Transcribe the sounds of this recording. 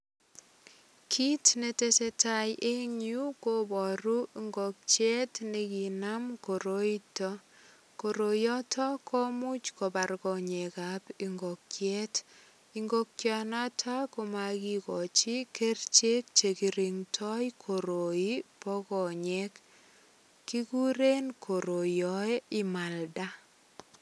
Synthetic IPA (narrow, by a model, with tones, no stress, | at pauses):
kʰi˦tne˨te˦se˦ta˨jʔe˦ɲu˦ko˦bɔ˨ɾu˦iŋɡo˨k̚t͡ʃɛ˦tne˦ki˨na˦mko˨ɾo˦i˦tɔ˦ | ko˨ɾo˨jɔ˦tʰɔ˦kʰɔ˦mu˦t͡ʃko˨ba˨rkɔ˨ɲe˨ka˨pi˨ŋɡo˨kt͡ʃjɛ˦t | i˦ŋɡo˦kːja˨na˦tʰa˦ko˨ma˨ki˦kɔ˨t͡ʃi˦ke˦rt͡ʃe˦k̚t͡ʃe˨ki˨ɾi˨ŋtʰɔ˦jkʰo˨ɾo˨i˦pɔ˦kɔ˨ɲe˦k | kːi˦ku˦ɾe˦nkʰo˨ɾo˨jɔ˨e˦ɪ˦ma˨lda˦